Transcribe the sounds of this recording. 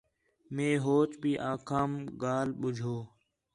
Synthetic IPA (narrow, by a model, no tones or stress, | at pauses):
mẽːɦoːt͡ʃbʱiːʔaːkʰaːmɡaːlɓʊd͡ʒʱoː